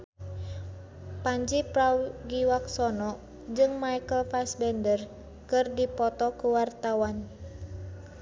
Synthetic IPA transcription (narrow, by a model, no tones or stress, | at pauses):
paɲd͡ʒipɾawɡiwaksɔnɔʔ | d͡ʒɨŋmajkəlfasbɛndər | kɨrdipɔt̪ɔkuwart̪awan